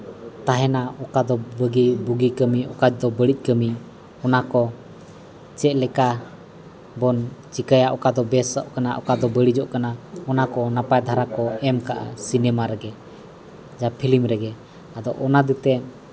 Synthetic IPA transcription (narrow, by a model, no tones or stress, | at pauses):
t̪aɦɛnaɔkad̪ɔbəɡibuɡikəmiɔkad͡ʒd̪ɔbəɽic̚ˀkəmi | ɔnakɔ | t͡ʃɛʔ̪̚lɛka | bɔnt͡ʃikəjaʔɔkad̪ɔbɛsə̰ʔkanaʔɔ̰kad̪ɔbəɽid͡ʒɔʔkanaɔnakɔnapajd̪ʱaɾakɔɛmkaʔa̰sinɛmaɾɛɡɛ | d͡ʒapʰilimɾɛɡɛ | ad̪ɔ̰ʔɔnad̪it̪ɛ